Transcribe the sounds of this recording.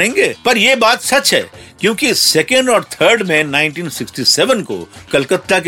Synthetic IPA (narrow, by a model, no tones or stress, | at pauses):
ẽːŋɡeːpɐɾjeːbaːt̪sɐt͡ʃɦɛ̰ːkjõːkisɛːkə̃ɳɖɔːɾt̪ʰəːɾɖmẽnaːɪ̃nʈiːnsɪksʈisɛʋənko̰kɐlkət̪ːak